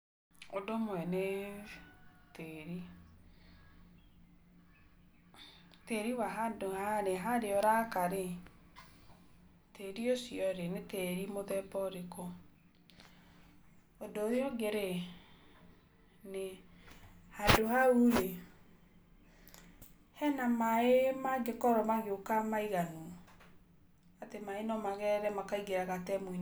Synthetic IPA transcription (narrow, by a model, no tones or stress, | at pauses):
odomwɛne | teɾi | teɾiwaɦadohaneɦaɾeɔɾakaɾe | teɾiosiɔɾeneteɾimoðɛbɔɾekɔ | odoðeɔɡeɾe | ne | hadohauɾe | hɛnamaemaɡekɔɾɔmaɣeokamaiɣanu | atemaenɔmaɣɛɾɛmakaiɡeɾaɣatɛmwin